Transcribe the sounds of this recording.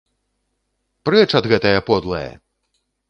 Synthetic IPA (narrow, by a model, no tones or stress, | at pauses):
pɾɛt͡ʂɐd̪ɣɛt̪ɐjɐpɔd̪lˠɐ̰jɐ̰